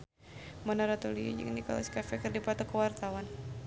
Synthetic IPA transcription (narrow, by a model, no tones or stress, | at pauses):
manaɾat̪uliḭd͡ʒə̰ŋnikɔ̰la̰skafɛkərdipat̪ɔkəwart̪awan